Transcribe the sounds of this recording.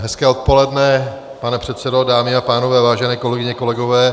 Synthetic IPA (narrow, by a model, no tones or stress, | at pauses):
ɦɛskɛːot̪̚po̞lɛdnɛ | panɛpr̝̥ɛt̪sɛdo̞daːmɪapaːnovɛːvaːʒɛnɛːko̞lɛɡɪɲɛko̞lɛɡo̞vɛː